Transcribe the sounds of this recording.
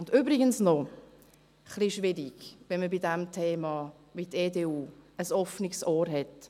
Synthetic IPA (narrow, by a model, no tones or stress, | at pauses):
ʊndyːbɾiɡənsnɔ | χliʃʋɪɾiɡ̥ʋɛnməbidɛmtʰeːmɑ | biteːdeːuːəsɔfniksɔːɾɦɛt